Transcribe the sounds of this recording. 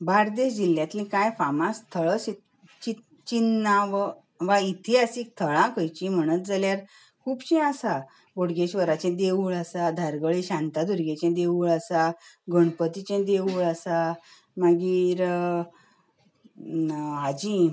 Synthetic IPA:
baɾd̪eɕd͡ʑilːjãt̪lĩkajfamast̪ʰəɭəsi | t͡ɕi | t͡ɕinːaʋ | ʋait̪ʰiasik̚t̪ʰəɭãkəjt͡ɕĩm̤əɽ̃ət̪̚d͡zaljaɾ | kʰuːbɕĩasa | ɡoɽɡeɕʋəɾat͡ɕɛ̃d̪eʋuɭasad̪ʱaɾɡəɭiɕãnt̪ad̪uɾɡẽt͡ɕẽd̪euɭasaɡəɳpət̪it͡ɕɛ̃d̪eʋuɭasa | maɡiːɾ | ad͡ʑi

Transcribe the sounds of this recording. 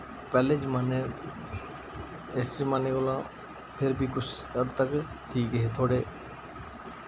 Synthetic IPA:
pɛːled͡ʒmaːne | esʈɾimaːneolãː | pʰɪɾbʱikʊt͡ʃʰ | əɾt̪əkʈʰiːkəɦet̪ʰoːɽeː

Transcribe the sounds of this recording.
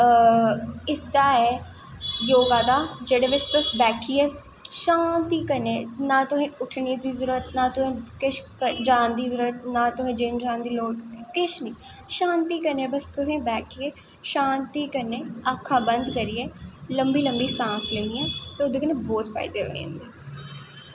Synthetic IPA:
ɪsd̪aːɛː | joːɡaːd̪aːd͡ʒeːɽeːʋɪt͡ʃt̪ʊsbɛːkʰiːɛː | ʃãːnt̪iːkəɾneːnãːt̪ʊɦẽːʊʈʰniːd̪iːzʊɾuət̪nãːt̪ʊɦẽːkɪʃkəd͡ʒãːnd̪iːzʊɾət̪̚naːt̪ʊɦẽːd͡ʒɪmd͡ʒãːnd̪iːloːɡkɪʃnĩːʃãːnt̪iːkəɾneːbəskʊɦẽːbɛːkʰiːeː | ʃãːnt̪iːkəɾneːakʰːaːbənd̪kəɾiːeːləmbiːləmbiːsãːsleːniːɛːt̪eːod̪eːkənẽːbɔːt̪fʰa̰ːɪd̪eːɦo̰ːḛ̃nd̪eː

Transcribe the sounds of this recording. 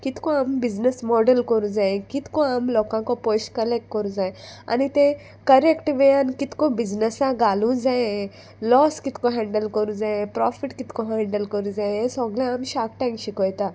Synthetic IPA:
kit̪kɔ̃ambid͡znəsmɔɖəlkəɾũd͡zaẽkit̪kɔ̃amlɔkãkɔposʈkəlek̚ʈ̚kəɾũd͡zaẽa̰nit̪ẽ | kəɾekʈʋeankit̪kɔ̃bid͡znəsãɡalũd͡zaẽ | lɔskit̪kɔ̃ɦɛ̃ɳɖəlkəɾũd͡zaẽpɾɔfiʈkit̪kɔ̃ɦɛ̃ɳɖəlkəɾũd͡zaẽesɔɡlẽamɕakʈãjmɕikɔjt̪a

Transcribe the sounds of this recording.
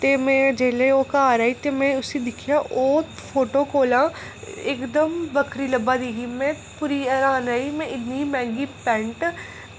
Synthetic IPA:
t̪eːmɛ̃ːd͡ʒeːleoːkaːɾaːiːt̪eːmɛ̃ːʊsiːd̪ɪkʰɪjaːʔoː | pʰoːʈoːkoːlãː | ɪkd̪əmbəkʰɾiːləbaːd̪iːɡiːmɛ̃ː | puːɾiːəɾaːnaːiːmɛ̃ːʔɪnniːmɛ̃ːŋɡiːpɛ̃ːɳʈ

